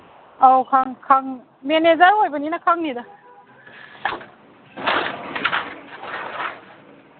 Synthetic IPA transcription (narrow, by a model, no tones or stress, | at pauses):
awkʰaŋkʰaŋ | menezaɾɦojbʌninakʰaŋnida